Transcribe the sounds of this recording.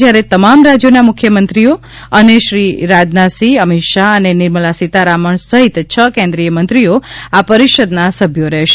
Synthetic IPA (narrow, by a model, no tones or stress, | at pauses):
d͡ʒjaɾet̪əmamɾad͡ʒjonamʊkʰjəmənt̪ɾijo | əneʃɾiɾad͡ʒnasiəmiʃaənenɪɾməlasit̪aɾaməɳsəɦit̪t͡ʃʰəkẽnd̪ɾijəmə̃nt̪ɾioapəɾiʃəd̪nasəbʱjoɾɛɦʃe